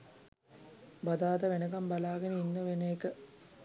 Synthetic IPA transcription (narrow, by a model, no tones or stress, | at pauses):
bɐd̪aːd̪ɐʋenəɡɐmbɐlaːɡɐnəinːəʋeneːkə